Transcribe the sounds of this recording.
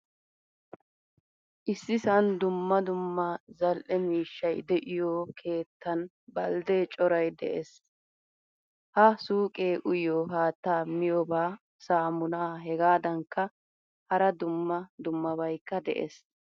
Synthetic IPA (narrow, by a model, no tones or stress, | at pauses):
ʔɪsːɪsɐnd̪ʊmːɐd̪ʊmːɐzɐlʔɛmiːʃːɐjd̪ɛʔɪjoːkʰe̞ːt̪ːɐn | bɐld̪eːt͡ʃʼɔɾɐjd̪ɛ̰ʔɛs | hɐsuːkʼe̞ːʔʊjoːɦaːt̪ːaːmɪjɔbaː | saːmʊnaːɦɛɡaːd̪ɐŋkːɐ | hɐɾɐd̪ʊmːɐd̪ʊmːɐbɐjkːɐd̪ɛ̰ʔɛ̰s